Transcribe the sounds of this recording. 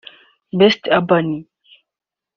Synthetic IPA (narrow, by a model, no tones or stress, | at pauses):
bɛstabani